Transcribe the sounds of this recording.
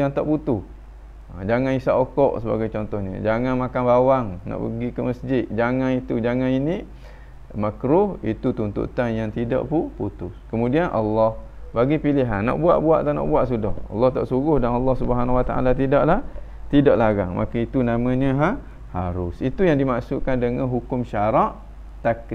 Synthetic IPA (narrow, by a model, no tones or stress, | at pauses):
jaŋt̪aʔput̪ʊh | d͡ʒaŋanisaʔokɔʔsəba̰ɡajt͡ʃɔnt̪ɔhɲə̰̃d͡ʒaŋanmakanbawaŋnɔ̰ʔbəɡikəməsd͡ʒɪt̪̚d͡ʒaŋanit̪ud͡ʒaŋãnini | makɾʊhit̪ut̪unt̪ṵt̪anjaŋt̪ida̰ʔpuput̪ʊskəmũdianʔɑ̰lːɔhbaɡipilɪɦanːɔ̰ʔbua̰ʔbua̰ʔt̪ana̰ʔbuaʔsudɔhɑ̰lːɑht̪a̰ʔsuɣʊhdanɑlːɑhsubəɦanawat̪aʔa̰lat̪idaʔlah | t̪idaʔlaɣa̰ŋmʔa̰kait̪unamə̃ɲə̃ɦa | haɾʊsit̪ujaŋdimaʔsuʔkandəŋə̃nɦukʊmʃaɾaʔ | t̪ak